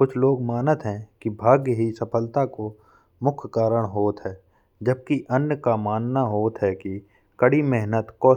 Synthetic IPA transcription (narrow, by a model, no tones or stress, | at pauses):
kʊt͡ʃʰloːɡmaːnət̪ɦɛ̃kibʱaːɡjəɦisɐpʰəlt̪ako | mʊkʰkaːɾəɽ̃ɦoːt̪ɦɛː | d͡ʒəb̚kiʔənjəkamaːnnaɦoːt̪ɦɛki | kəɽimɛɦnət̪kɔː